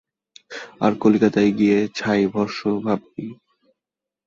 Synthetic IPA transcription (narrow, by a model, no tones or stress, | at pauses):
a̰ɾkolkat̪ajɡiet͡ɕʰajbʱɔɾʃobʱab̚t̪i